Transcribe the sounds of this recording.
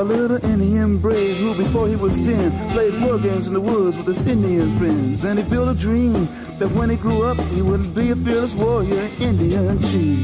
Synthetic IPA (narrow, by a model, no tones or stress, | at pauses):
əlɪɾl̩ˠɪ̃ndiɨ̃mbɹeɪhubɨfɔɹiwʌzdɪ̃npʰl̥eɪd̚wɔɹɡẽɪ̃mzn̩ðəwʊdzwəð̥ɨzɪ̃ndiɨ̃nfɹɛ̃nzɨ̃nifɪlˠɾədɹĩm | ðɨt̚wə̃ñiɡɹuʌp̚hiwʊdⁿn̩biɨfɪɹləswɔɹjɪɹɪ̃ndiɨ̃nt͡ʃʰĩm